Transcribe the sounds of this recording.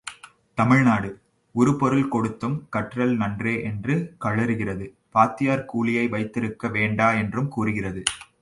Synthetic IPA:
t̪ɐmɪɻnaːɽɯ | ɔɾɯpɔɾɯlkɔɽɯt̪ːɯmkɐʈrɐlnɐndreːʔɛndrɯkɐɻɐɾɯɣɪrɐðɯ | paːt̪ːɪjaːɾkuːɭɪjɐɪʋɐɪt̪ːɪɾɯkːɐʋeːɳɖaːɛndrɯmkuːrɯɣɪrɐðɯ

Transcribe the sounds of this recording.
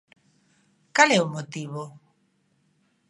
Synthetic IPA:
kalɛʊmot̪iβo

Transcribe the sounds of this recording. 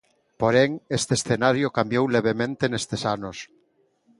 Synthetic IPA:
poɾeŋest̪esθenaɾjokambjowleβ̞emẽnt̪enest̪esanos

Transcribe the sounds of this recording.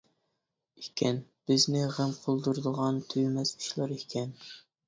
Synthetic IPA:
ikʲʰɛnb̥ɪznɪʁæmqʰolˠd̪uɾɨd̪əʁɑnt̪ʰyjmɛzi̥ʃlˠɑɾikʲʰɛn

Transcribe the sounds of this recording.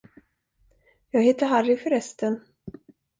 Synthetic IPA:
jɑːɡheːt̪əɦaɾɪfœɾɛst̪ən

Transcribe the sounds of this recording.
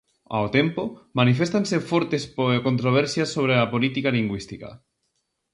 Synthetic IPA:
a̰wt̪empomanifest̪ansefɔɾt̪espoekont̪ɾoβ̞ɛɾsjasːoβ̞ɾeapolit̪ikaliŋɡwist̪ika̰

